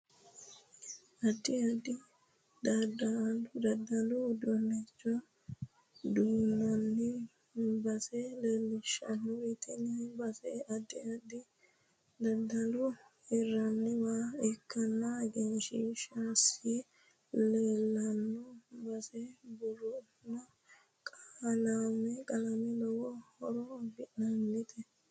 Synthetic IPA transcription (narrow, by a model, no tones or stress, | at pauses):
ɐd̪iɐd̪i | d̪ɐd̪alud̪ɐd̪ːɐlud̪ɔnɛt͡ʃːɔ | d̪uːnɐnːi | mbɐsɛleːlːɪʃɐ̰nːuit̪ʰɛnibɐsɛɐd̪iɐd̪i | d̪ɐd̪ːɐlu | ɛrːɐnːɛwaːɛkʰːɐnːɐɡɛnʃiːʃaːsi | leːlːɐnːɔbɐsɛbʊrɔ | nːɔ | kʼaːlamɛkʼɐlɐmɪlɔwɔhɔɾɔbɪʔnɐnːɪt̪ʰɛ